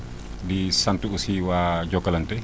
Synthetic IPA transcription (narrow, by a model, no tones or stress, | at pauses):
disantuusiwad͡ʒɔkaləntɛ